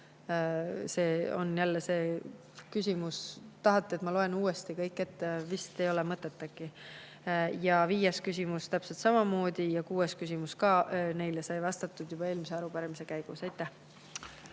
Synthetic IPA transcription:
se̞ːo̞̰njælːese̞ː | kysʲimust̪ɑɦɑt̪ˑːeet̪mɑlo̞e̞nuːest̪ikɤjkːˑe̞t̪ːevist̪e̞jo̞lemɤt̪ːˑet̪ːˑɑki | jɑviːjeskys̬ʲimust̪æpse̞lt̪sɑmɑmo̞ːd̪̥ijɑkuːeskysʲimuskɑːne̞jlesɑjvɑst̪ɑt̪ːˑud̪̥jub̥ɑe̞ːlmise̞ɑɾupɑɾemisekæjɡ̥usɑjt̪ːˑæh

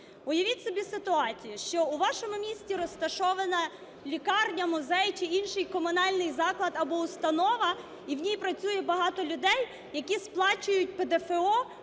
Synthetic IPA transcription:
ʊjɐʋʲitʲsɔbʲisɪt̪ʊɑt͡sʲijʊʃt͡ʃɔʊʋɑʃɔmʊmʲisʲtʲiɾɔst̪ɐʃɔʋɐnɐ | lʲikɑrnʲɐmʊzɛjt͡ʃɪinʃɪjkɔmʊnɑlʲnɪjzɑklˠɐd̪ɐbɔʊst̪ɐnɔʋɐ | iwnʲijpɾɐt͡sʲujɛbɐɦɑt̪ɔlʲʊd̪ɛjː | ɐkʲisplˠɑt͡ʃʊjʊt̚ʲped̪efeɔ

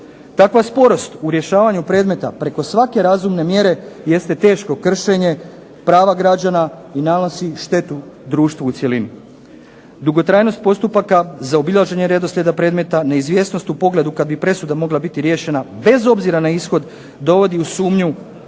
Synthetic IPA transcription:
t̪akʋaspo̞ɾo̞st̪uɾje̞ʃaːʋaɲupɾe̞ːd̪me̞t̪a̰pɾe̞ko̞sʋake̞ɾazumne̞mje̞ɾe̞je̞st̪e̞t̪e̞ːʃko̞kr̩ʃe̞ɲe̞ | pɾaːʋaɡɾad͡ʑana | inanosiʃt̪e̞t̪u | d̪ɾuːʃt̪ʋuut̪sje̞lini | d̪uɡo̞t̪ɾaːjno̞st̪̚po̞st̪upakazaobilaʒe̞ɲe̞ɾe̞d̪o̞slʎʲe̞d̪apɾe̞ːd̪me̞t̪aneizʋje̞ːsno̞st̪upo̞ɡle̞d̪ukad̪bipɾe̞sud̪amo̞ɡlabit̪iɾje̞ʃe̞nabe̞zo̞bziɾanaisxo̞d̪ | d̪o̞ʋo̞d̪iusuːmɲu

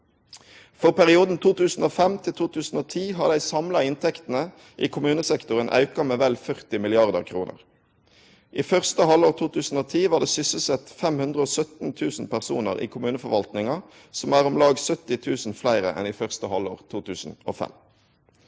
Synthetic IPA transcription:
fɔʁpæʁɪuːd̪n̩t̪ʰuːt̪ʉːsn̩oːfɛmt̪ʰɪlt̪ʰuːt̪ʰʉːsn̩oːt̪ʰiːɦɑʁd̪æɪsɑmlɑɪnt̪ʰɛkt̪n̩ə | ʔiːkʰʊmʉːnəsɛkt̪ʊʁənʔɑ̰ʉkɑmeːʋɛlfœʁt̪ɪmɪlɪɑʁd̪əʁkʰʁuːnʔə̰ʁ | ʔiːfœʁst̪əhɑloːʁt̪ʰuːt̪ʉːsn̩oːt̪ʰiːʋɑːʁd̪ɛːsʏsəsɛt̪fɛmhʉnd̪ʁəoːsœt̪nt̪ʰʉːsn̩pæʁsṵːnə̰ʁḭːkʰʊmʉːnəfɔʁʋɑlt̪nɪŋɑ | sɔmæːʁɔmlɑːɡsœt̪ɪt̪ʰʉːsn̩flæɪʁə̰ʔɛ̰nɪfœʁst̪əhɑlo̰ːʁt̪ʰuːt̪ʰʉːsn̩o̰ːfɛ̰m

